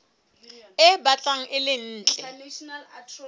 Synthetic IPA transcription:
ɪbat͡ɬʼaŋ̩ʔɪlɪn̩ːt͡ɬʼɛl

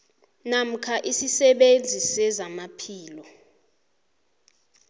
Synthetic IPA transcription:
nam̩kʰaʔisisɛɓend͡zʱisɛzamapʰiːlɔ

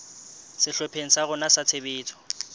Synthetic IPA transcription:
sɪɬɔpʰeŋ̩saɣʊnasat͡sʰebeːt͡sʰɔ̥

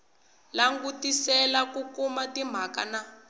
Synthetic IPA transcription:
laŋɡutisɛlakukumatim̤ʱaka̰na

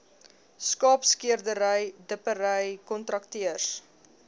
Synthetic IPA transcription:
skɑːpskiərdəɾəjdəpəɾəjkɔntrɐk̚tiərs

